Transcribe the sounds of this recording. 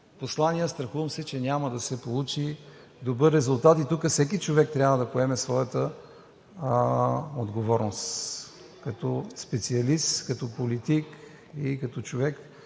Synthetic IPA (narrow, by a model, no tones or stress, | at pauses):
poslˠaniəst̪ɾɐxuvəmsɛt͡ʃɛnʲaməd̪ɐsɛpolˠut͡ʃi | d̪obɤɾːɛzulˠt̪at̪it̪ukəfsɛk̬it͡ʃovɛk̚t̪ɾʲjabvəd̪ɐpoɛmɛsvɔjət̪ə | od̪ɡovɔɾnost̪ | kɐt̪ɔspɛt̪siɐlist̪kɐt̪ɔpolit̪ik | ikɐt̪ɔt͡ʃovɛk